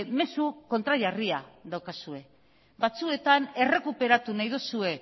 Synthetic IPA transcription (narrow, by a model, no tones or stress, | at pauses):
me̞suko̞nt̪ɾaʎariaðawkasue̞ | bat͡sue̞t̪ane̞re̞kupe̞ɾat̪unajðosue̞